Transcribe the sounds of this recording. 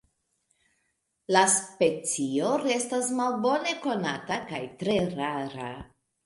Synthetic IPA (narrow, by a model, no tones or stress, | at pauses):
laspe̞t͡sio̞ɾe̞stasmalbo̞ne̞ko̞natakajtɾe̞ɾaɾa̰